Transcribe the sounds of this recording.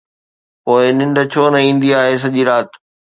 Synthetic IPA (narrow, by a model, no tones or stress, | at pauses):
poːɪnɪ̃ɳɖt͡ɕʰoːnɐĩːn̆d̪iaːɦes̬ɐʄiːɾaːt̪